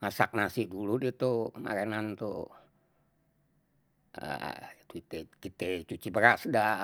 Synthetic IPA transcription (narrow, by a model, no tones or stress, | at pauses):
ŋasak̚nasihduludit̪oma̰ɾenant̪o̰ | ə̰t̪uit̪ɛkit̪ɛt͡ʃut͡ʃibəɾasda